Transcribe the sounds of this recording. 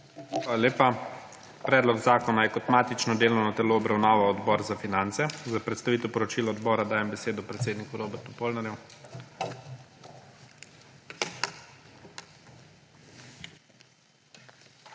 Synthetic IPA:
xʋaːlaleːpa | pɾɛːd̪lɔɡzaːkɔnajɛkɔt̪maːt̪it͡ʃnɔd̪eːlɔwnɔt̪ɛloːbɾawnaːʋaɔd̪bɔːɾzafinant̪sɛzapɾɛt̪st̪aʋiːt̪ɛwpɔɾɔt͡ʃiːlaɔd̪bɔːɾad̪aːjɛmbɛseːd̪ɔpɾɛt̪seːd̪nikuɾoːbɛɾt̪upoːlnaɾjɛ

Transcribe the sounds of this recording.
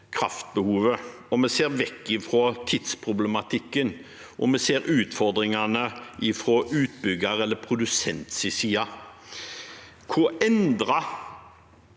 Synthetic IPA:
kʰɾɑft̪̚bəhuːʋə | ɔmɛseːʁʋɛkːɪfɾɔt̪ʰɪd̪spʰʁʊblɛmɑt̪ʰɪkːən | ʔɔmɛseːɾʉːt̪fɔʁd̪ɾɪŋɑnəʔɪfɾɔʔʉːt̪̚bʏɡəɾɛlːəpʰɾʊd̪ʉsɛnt̪sɪsiːɑ | kʰʊɾɛnd̪ɾɑ

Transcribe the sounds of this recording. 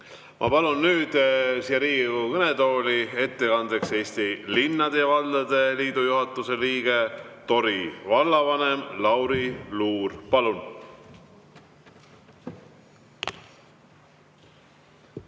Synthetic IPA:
mʔɑ̰pɑlunːyːd̪̥siɑɾiːkɤned̪o̞ːlie̞t̪ːe̞kɑnd̪̥ekse̞ːst̪ilinːɑd̪̥e̞jɑvɑld̪ɑd̪̥e̞liːd̪̥ujuɦɑt̪ːˑuse̞liːɡ̥e̞t̪o̞ɾivɑlːɑvɑnemlɑwɾiluːrpɑlun

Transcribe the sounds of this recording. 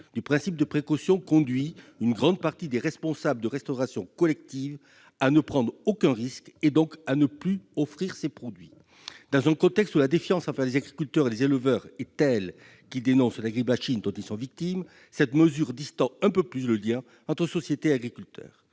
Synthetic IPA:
d̪̥ypχɛ̃sip̚d̪əpχekɔsjɔ̃kɔ̃d̪ɥiynɡʁɑ̃d̪̚paʁt̪id̪eʁɛspɔ̃sabləd̪əʁɛst̪ɔʁasjɔ̃kɔlɛk̚t̪iv | anəpχɑ̃d̪ʁokɛ̃ʁisked̪ɔ̃kanəplyɔfχiʁsepχɔd̪ɥi | d̪ɑ̃zɛ̃kɔ̃t̪ɛkst̪ulad̪efjɑ̃sɑ̃vɛʁlezaɡʁikylt̪œʁelezelvœʁɛt̪ɛl | kʲild̪enɔ̃slaɡʁibmaʃind̪ɑ̃t̪ilsɔ̃vik̚t̪im | sɛt̪məzyʁd̪ist̪ɑ̃ɛ̃pøplys̬ləljɛ̃ | ɑ̃t̪χəsɔsjet̪eaɡʁikʲylt̪œ̰ːʁ

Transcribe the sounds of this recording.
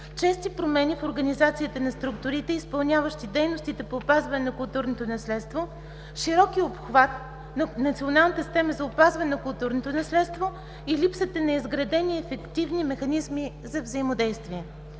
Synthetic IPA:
t͡ʃɛst̪ipɾomɛnʲifoɾɡɐnizat̪siit̪ənɐst̪ɾukt̪ʊɾit̪ɛispɐlˠnʲjavəʃt̪id̪ɛjnost̪it̪ɛpoːpazvɐnɛnɐkʊlˠt̪uɾnot̪onɐslɛt̪st̪vo | ʃiɾɔkiopxvat̪ | nɐnɐt̪sionalˠnət̪əst̪ɛməzɐopazvɐnɛnɐkʊlˠt̪uɾnot̪onɐslɛt̪st̪vo | ilipsət̪ənɐizɡɾɐd̪ɛniɛfɛkt̪ivnimɛxɐnizmi | zɐvzəimod̪ɛjst̪viɛ

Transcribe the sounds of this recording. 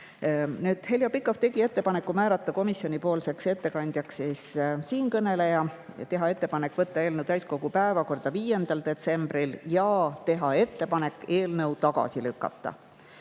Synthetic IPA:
nyːd̪̥he̞ljɑpikːˑoft̪e̞ɡ̥ie̞t̪ːe̞pɑne̞kːˑumæːɾɑt̪ˑːɑko̞misjo̞nʲipo̞ːlse̞kse̞t̪ːe̞kɑnʲd̪̥jɑksessiːnkɤne̞le̞jɑt̪e̞ɦɑe̞t̪ːe̞pɑne̞kːˑvɤt̪ˑːɑe̞ːlnəwd̪æjsko̞ɡ̥upæevɑko̞rd̪̥ɑviːje̞nd̪̥ɑld̪̥e̞t̪se̞mb̥riljɑːt̪e̞ɦɑe̞t̪ːe̞pɑne̞kːˑe̞ːlnɤ̞wt̪ɑɡ̥ɑ̰silʉkːˑɑ̰t̪ːˑɑ̰

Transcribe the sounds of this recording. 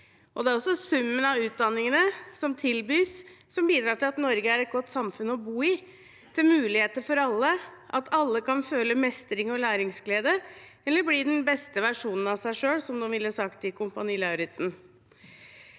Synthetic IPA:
ʔɔd̪ɛæɾɔsːɔsʉmːənɑʋʉːt̪̚d̪ɑnːɪŋənəsɔmt̪ʰɪlbyːsː | ɔmbiːd̪ɾɑːʈɪlɑt̪nɔɾɡəæɾɛt̪̚ɡɔt̪ːsɑmfʉnːɔbuːɪ | t̪ʰɪlmʉːlɪheːt̪əfɔɾɑlːəʔɑt̪ʰɑlːəkɑnføːləmɛst̪ɾɪŋɔlæːɾɪŋsɡleːd̪ə | ɛlːəbliɖɛnbɛst̪əʋæʂuːnən̩ɑsæɪʂøːɽsɔmd̪unʋɪlːəsɑkt̪ʰɪkʰʊmpɑniːlɑʉɾɪt̪sn

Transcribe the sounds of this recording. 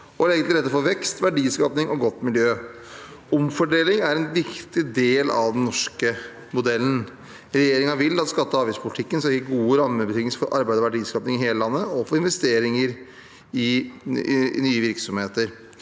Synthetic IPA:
ɔleːɡənlɪɾɛt̪ːəfɔʋɛkst̪ʋæɖiːskɑːpnɪŋʔɔɡɔt̪ːmɪljøː | ʊmfɔɖeːlɪŋæɾɛnʋɪkt̪ɪd̪eːlɑ̰ʋd̪ɛnnɔʂkə | mʊd̪ɛlːn̩ | ɾɛjeːɾɪŋɑʋɪlːɑt̪skɑt̪ːəɑːʋɪspʰʊlt̪ʰɪkːənskɑɪkːɡuːəɾɑmːəbət̪ʰɪŋsfɔɾʔɑɾbæɪd̪əɔʋæɖiːskɑːpnɪŋɪɦeːləlɑnːəɔfɔɾɪnʋɛst̪eːɾɪŋəɾ | ɪ | nyːəʋɪɾksɔmheːt̪əɾ

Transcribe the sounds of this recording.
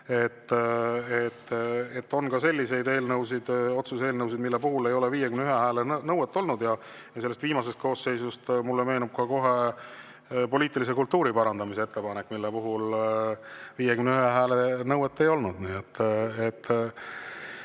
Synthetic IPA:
e̞t̪ː | et̪ːet̪ːo̞nkɑse̞lʲːise̞jd̪e̞ːlnɤwsid̪̥o̞t̪suse̞ːlnɤwsid̪milːepuɦule̞jo̞leviːjekymnyɦeɦæːlennɤwet̪ːˑo̞lnud̪̥jɑ | jɑse̞lːest̪viːmɑse̞st̪̚ko̞ːsːe̞jsust̪mulːeme̞ːnub̥̚kɑko̞ɦe̞ | po̞lʲiːt̪ːˑilis̬e̞kult̪ːˑuːɾipɑɾɑnd̪̥ɑmiseet̪ːe̞pɑnekːˑmilːepuɦul | viːjekymneyhɦeɦæːlenɤwet̪ːe̞jo̞lnud̪̥niːet̪ːet̪ː

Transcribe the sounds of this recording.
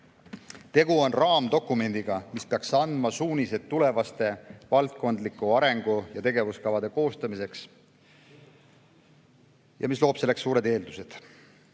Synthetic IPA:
t̪e̞ɡuo̞nrɑːmd̪o̞kːˑume̞nʲd̪̥iɡ̥ɑmispeɑksɑnd̪mɑsuːnʲise̞d̪̚t̪ːule̞vɑst̪e̞vɑlt̪̚ko̞nd̪likˑuɑɾe̞ŋɡ̥ujɑt̪e̞ɡe̞vuskɑvɑd̪e̞ko̞ːst̪ɑmise̞ks | jɑ̰mislo̞ːpse̞lːeksːuːɾe̞d̪e̞ːld̪use̞d̪̥

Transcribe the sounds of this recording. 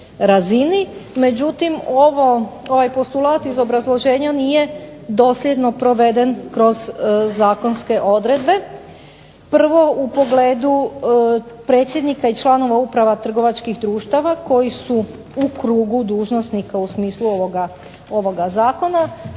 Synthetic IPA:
ɾazinime̞d͡ʑut̪imoʋoo̞ʋajpo̞st̪ulaːt̪izo̞bɾazlˠo̞ʒe̞ːɲaniːje̞d̪o̞ːslʲje̞d̪no̞pɾo̞ʋe̞d̪e̞nkɾo̞zːaːko̞nske̞ʔo̞d̪ɾe̞d̪be̞ | pr̩ʋo̞upo̞ɡle̞ːd̪u | pɾe̞ːt̪sʲjed̪nikait͡ʃlˠaːno̞ʋaupɾaʋat̪r̩ɡo̞ʋat͡ʃkixd̪ɾuːʃt̪aʋako̞jisu | ukɾuːɡud̪uːʒno̞snikausmiːsluoʋoɡa | o̞ʋo̞ɡazaːko̞na

